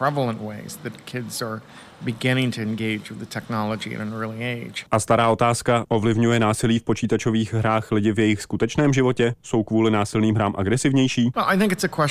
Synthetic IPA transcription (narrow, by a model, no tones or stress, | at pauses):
pʰɹ̥ɛvl̩ˠə̃nʔweɪzðɨt̚kʰɪdz̥ə˞ | bɨɡɪ̃ñɪ̃ŋtʰɨɨ̃nɡeɪd͡ʒwɨðɨtʰɛk̚nɑlˠəd͡ʒiɨ̰̃nɨ̃nɜ˞lˠieɪd̥ʒ̥ʔast̪aɾaːʔo̞t̪aːskaʔo̞vlɪvɲujɛnaːsɪliːfpo̞t͡ʃiːt̪at͡ʃo̞viːxɦɾaːxlɪɟɪvjɛjɪxskut̪ɛt͡ʃnɛːmʒɪvo̞cɛso̞wkvuːlɪnaːsɪlniːmɦɾaːmʔaɡɾɛsɪvɲɛjʃiːwɛlˠaɪθɪ̃ŋkɨtsɨkʰw̥ɛ